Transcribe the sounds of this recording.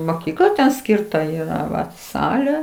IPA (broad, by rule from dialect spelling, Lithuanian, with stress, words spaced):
moːˈkʲiːklˠɐ ˈsʲkʲɪrtɐ ˈiːrɐ ˈʋɐt ˈsɑːlʲeː